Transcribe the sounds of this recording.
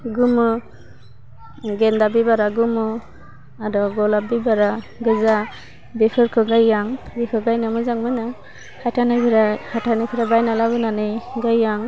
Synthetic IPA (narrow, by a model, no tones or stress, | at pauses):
ɡumɯ | ɡɛndabibaɾaɡumɯ | aɾɔɡɔlabibaɾa | ɡɯza | bepʰɯɾkʰɯɡajːaŋbikʰɯɡajnamɯzaŋmɯnɯ | hatʰanɯpʰiɾahatʰanɯpʰiɾabajnalabɯnanɯjɡajːaŋ